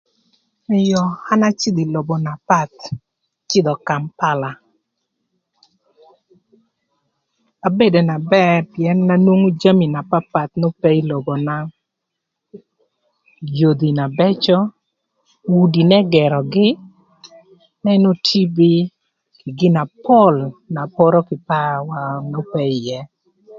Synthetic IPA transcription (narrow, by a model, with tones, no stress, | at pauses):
ɪ˨jɔ˨ha˦na˦t͡ʃɪ˦d̪i˨lo˨bo˨na˨pa˦t̪̚ | t͡ʃɪ˦d̪ɔ˨ka˨mpa˦la˨ | a˨be˦de˨na˨bɛ˦˨pjɛ˨nːa˦nwo˦ŋu˦d͡ʒa˦mi˨na˨pa˦pa˨t̪̚no˦pɛ˦i˦lo˨bɔ˨na˦ | jo˨d̪i˨na˨bɛ˦t͡ʃɔ˦ | wu˨di˨nɛ˦ɡɛ˨ɾɔ˨ɡɪ˦ | nɛ˦no˦tʰi˦bi˦ | kɪ˨ɡɪ˦na˨pɔ˦lna˨pɔ˦ɾɔ˦kɪ˨pa˦wa˨no˦pɛ˦i˨jɛ˦